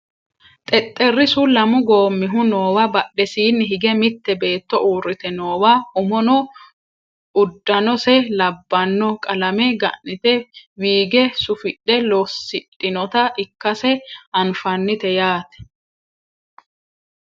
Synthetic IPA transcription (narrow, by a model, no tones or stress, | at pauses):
t̪ʼɛt̪ʼːɛrːɪsʊlɐmʊɡo̞ːmːɪɦʊnoːwɐbɐɗːɛsiːnːɪɦɪɡɛmɪt̪ːɛbe̞ːt̪ːɔʔuːɾːɪt̪ɛno̞ːwaʊmɔnɔ | ʊd̪ːɐnɔsɛlɐbːɐnːɔkʼɐlɐmɛɡɐ̰ʔnɪt̪ɛwiːɡɛsʊfɪɗːɛlɔsːɪɗʼːɪnɔt̪ɐɪkːɐsɛɐnfɐnːɪt̪ɛjaːt̪ɛ̥